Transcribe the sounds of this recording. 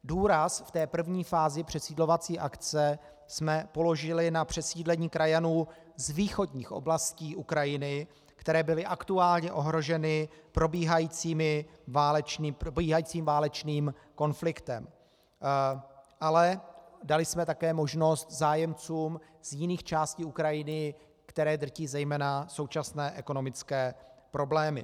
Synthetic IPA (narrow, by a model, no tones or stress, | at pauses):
duːɾasft̪ɛːpr̩vɲiːfaːzɪpr̝̥ɛsiːdlo̞vat͡siːʔakt͡sɛ | smɛpo̞lo̞ʒɪlɪnapr̝̥ɛsiːdlɛɲiːkɾajanuː | zviːxo̞dɲiːxʔo̞̰blasciːʔukɾajɪnɪ | kt̪ɛɾɛːbɪlɪʔakt̪uaːlɲɛʔo̞ɦɾo̞ʒɛnɪpɾo̞biːɦajiːt͡siːmɪvaːlɛt͡ʃniːpɾobiːɦajiːt͡siːmvaːlɛt͡ʃniːm | ko̞nflɪkt̪ɛm | ʔalɛdalɪsmɛt̪akɛːmo̞ʒno̞st̪zaːjɛmt͡suːm | z̥jɪniːxt͡ʃaːsciːukɾajɪnɪ | kt̪ɛɾɛːd̪r̩ciːzɛjmɛːnasowt͡ʃasnɛːʔɛko̞no̞mɪt͡skɛːpɾo̞blɛːmɪ̰